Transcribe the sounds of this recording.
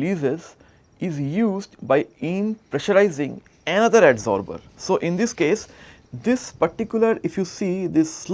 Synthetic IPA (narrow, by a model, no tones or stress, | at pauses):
liːzez | ɪzjuːzɖbaɪĩmpɾɛʃəɾaɪzɪ̃ŋ | ɛnʌd̪əɾɛɖzɔ̰ːɾbə̰ɾsoːʔɪ̃nd̪ɪskeːs | d̪ɪspɐɾʈɪkjʊləɾɪfjuːsiːd̪ɪsːl